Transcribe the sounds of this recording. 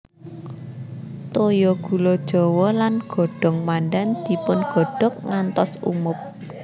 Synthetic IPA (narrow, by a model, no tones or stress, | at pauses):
t̪ojɔɡ̥ṳlod̥ʒ̥ɔ̤wɔlanɡ̥ɔ̤ɖ̥ɔ̤ŋmanɖɛnd̪̥i̤pʊnɡ̥ɔ̤ɖ̥ɔ̤k̚ŋant̪ɔsṵmʊp̚